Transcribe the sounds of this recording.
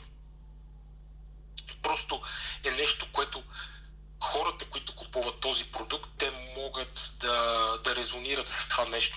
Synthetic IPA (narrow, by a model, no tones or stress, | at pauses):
pɾɔst̪oɛnɛʃt̪okoɛt̪o | xɔɾət̪əkoit̪ʊkupuvɐt̪ːɔzipɾod̪ukt̪ːɛmɔɡət̪d̪ɐd̪ɐɾɛzoniɾət̪sɐ̥st̪ovanɛʃt̪